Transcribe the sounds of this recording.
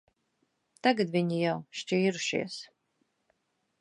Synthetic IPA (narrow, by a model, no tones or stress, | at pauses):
t̪aɡad̪vʲiɲijawʃt͡ʃiːɾuʃḭɛs